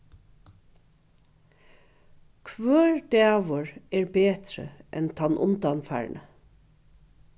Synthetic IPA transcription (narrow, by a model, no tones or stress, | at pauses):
kʰʋøːɹɖ̪eːɑʋɔɹeːɹbeːt̪ɾə̰ʔɛnt̪ʰɑnʔʊ̰nd̪ɑnfæ̰ːɹɳʔə